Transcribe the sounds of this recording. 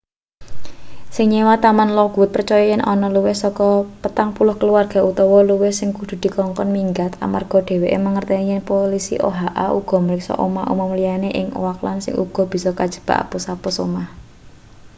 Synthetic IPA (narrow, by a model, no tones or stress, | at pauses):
sɪŋɲewat̪amanlɔɡ̥ʊt̪̚pərt͡ʃɔjɔjɛnʔɔnɔluwɪhsɔkɔpət̪aŋpulʊhkəluarɡ̥a̤ut̪ɔwɔluwɪhsɪŋkud̪̥ṳd̪̥i̤kɔŋkɔnmiŋɡat̪a̰marɡ̥ɔ̤ɖ̥e̤weʔeməŋərt̪ɛɲɪnpolisḭʔo̰ɦaʔauɡ̥ɔ̤məɾɪksɔ̰ʔomaʔṵmɔmlijaneʔɪŋo̰wakla̰nsɪ̰ŋʔṵɡ̥ɔ̤b̥i̤sɔkad̥ʒ̥ə̤̥b̥a̤̰ʔa̰pusapʊsomah